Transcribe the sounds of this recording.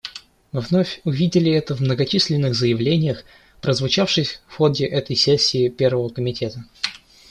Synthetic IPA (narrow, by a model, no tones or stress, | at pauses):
mɨvno̞fʲʊvʲidʲɪlʲɪɛt̪əvmnəɡɐt͡ɕisʲlʲɪnːɨɣzəjɪvlʲenʲɪjəx | pɾəzvʊt͡ɕafʂɨsʲfxo̞dʲɪʔɛt̪əjsʲesʲːɪːpʲe̞rvəvəkəmʲɪtʲʰe̞t̪ə